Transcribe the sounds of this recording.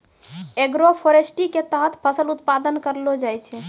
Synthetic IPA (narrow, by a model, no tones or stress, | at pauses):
eɡɾopʰoɾesʈiket̪əɦət̪ʰpʰəsəlut̪̚pad̪ənkəɾlod͡ʒajt͡ʃʰɛ